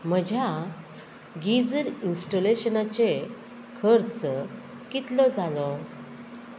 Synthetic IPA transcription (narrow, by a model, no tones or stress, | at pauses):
m̤əd͡ʑʱja | ɡid͡zəɾinsʈoleɕənat͡ɕe | kʰəɾt͡s | kit̪lɔd͡zʱalɔ